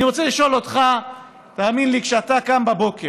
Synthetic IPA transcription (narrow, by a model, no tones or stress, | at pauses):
iʁo̞t͡seliʃo̞lo̞t̪χa | taːminlikʃeatakambabo̞ke